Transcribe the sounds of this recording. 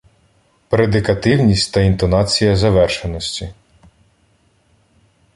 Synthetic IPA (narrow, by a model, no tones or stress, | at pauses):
pɾed̪ɪkɐt̪ɪwnʲisʲtʲt̪ɐint̪ɔnɑt͡sʲijɐzɐʋɛrʃenɔsʲtʲi